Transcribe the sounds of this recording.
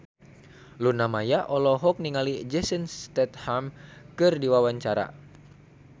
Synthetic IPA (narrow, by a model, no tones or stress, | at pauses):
lunamajaʔɔlɔɦɔk̚niŋalid͡ʒɛsənst̪ɛt̪̚hamkɨrdiwawaɲt͡ʃaɾa̰